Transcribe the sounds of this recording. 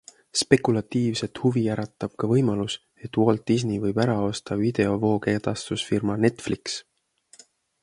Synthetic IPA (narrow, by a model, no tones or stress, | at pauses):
spe̞kˑulɑt̪ːiːvse̞t̪huvijæɾɑt̪ːˑɑb̥̚kɑvɤjmɑlus | e̞t̪ːwo̞lt̪ːiznivɤjb̥æɾɑo̞st̪ɑvid̪̥e̞o̞vo̞ːke̞ːt̪ɑst̪usfirmɑne̞t̪ːfliks